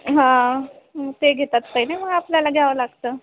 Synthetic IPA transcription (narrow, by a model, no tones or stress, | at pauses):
ɦã | t̪eɡʱet̪at̪kainaməɡapljalaɡaʋəlaɡt̪əː